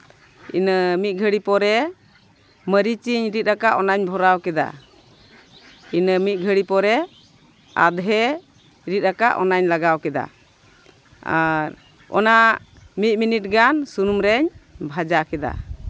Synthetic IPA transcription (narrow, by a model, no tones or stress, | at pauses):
inəmit̪̚ˀɡʱəɽipɔɾɛ | məɾit͡ʃiɲɾit̪̚ɾakaʔɔnaɲbʱɔɾawkɛd̪a̰ | inəmit̪̚ˀɡʱəɽipɔɾɛ | a̰d̪ɦɛ | ɾit̪̚ɾaka̰ʔɔ̰naɲlaɡawkɛd̪a̰ | a̰ɾ | ɔ̰naʔ | mit̪̚ˀminit̚ɡansunumɾɛɲbʱad͡ʒakɛd̪a̰